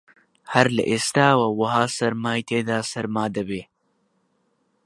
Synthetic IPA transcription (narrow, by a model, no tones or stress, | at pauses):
haɾla̰ʔest̪aːwawaɦɑːsɐɾmaːjt̪eːd̪aːsɐɾmaːd̪ɐbe